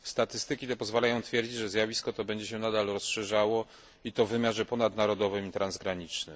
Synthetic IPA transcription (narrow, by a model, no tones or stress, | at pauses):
st̪at̪ɘst̪ɘkʲit̪ɛpɔzvalajɔ̃w̃t̪fʲjɛɾd͡ʑid͡ʑʐɛzʲjavʲiskɔt̪ɔbɛɲd͡ʑɛɕɛnad̪alɾɔsʂɛʐawɔ | it̪ɔvːɘmʲjaʐɛpɔnad̪naɾɔd̪ɔvɘmit̪ɾanzɡɾaɲit͡ʂnɘ̰m